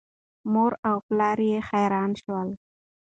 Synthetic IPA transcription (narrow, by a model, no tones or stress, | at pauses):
moɾawplɑɾjexajɾɑnʃwəl